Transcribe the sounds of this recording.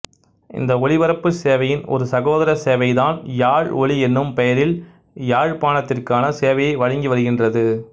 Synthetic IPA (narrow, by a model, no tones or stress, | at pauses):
ʔɪ̰nd̪ɐɔɭɪʋɐɾɐpːɯseːʋɐjɪnɔ̰ɾɯsɐɣoːðɐɾɐseːʋɐɪðaːnjaːɻɔɭiɛnːɯmpɛjɐɾɪl | jaːɻpaːɳɐt̪ːɪrkaːnɐseːʋɐjɐɪʋɐɻɪŋɡiʋɐɾɯɣɪndrɐðɯ